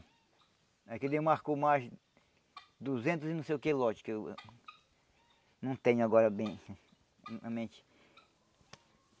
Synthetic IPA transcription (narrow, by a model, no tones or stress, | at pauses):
aked̪ewmaɾkomajz | d̪uzẽnt̪ʊzɪnɐ̃sejʊkelɔt͡ʃi̥kew | nɐ̃w̃t̪ẽɲʊaɡɔɾɐbẽj̃ | ɐ̃mẽt͡ʃɪ̥